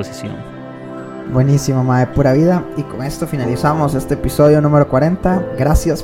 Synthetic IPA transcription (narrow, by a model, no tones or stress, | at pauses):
osisjo | bwe̞nisimomaepuɾaβiðaiko̞ŋe̞st̪o̞finalisamo̞se̞st̪e̞ːpiso̞ðjo̞nũme̞ɾo̞kwaɾe̞nt̪aɡɾasjas